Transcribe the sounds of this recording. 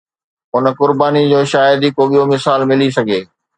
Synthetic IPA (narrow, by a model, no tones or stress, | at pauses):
ɦʊnkʊɾbaːnid͡ʑoːʃaːjəd̪ikoːɓijomɪsaːlmɪlisɐɡʱeː